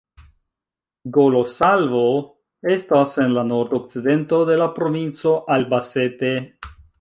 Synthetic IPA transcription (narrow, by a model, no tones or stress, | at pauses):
ɡolo̞salvo | e̞stase̞nlano̞ɾd̪ok̚t͡side̞nto̞de̞lapɾo̞vint͡so̞ʔalbase̞te̞